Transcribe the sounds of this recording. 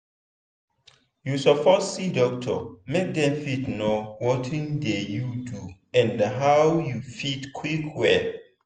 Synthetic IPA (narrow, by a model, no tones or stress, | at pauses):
jusɔpʰɔtsidɔk̚tʰɔ̰mek̚dɛ̃mfitnowɔtʰĩndejudu | ɛ̃ndaɦawjufitkʰwikʰwɛl